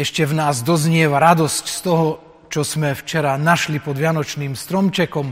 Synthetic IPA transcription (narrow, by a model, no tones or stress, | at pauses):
ɛʃcɛvnaːzd̪ɔzɲɪɛʋaɾad̪ɔscst̪ɔɦɔ | t͡ʃɔsmɛft͡ʃɛɾanaʃlipɔd̪ʋɪanɔt͡ʃniːmst̪ɾɔmt͡ʃɛkɔm